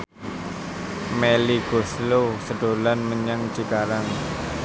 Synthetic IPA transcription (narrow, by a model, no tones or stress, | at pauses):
meliɡ̥oslosəɖ̥olanməɲaŋ̥d͡ʒ̥i̤kaɾaŋ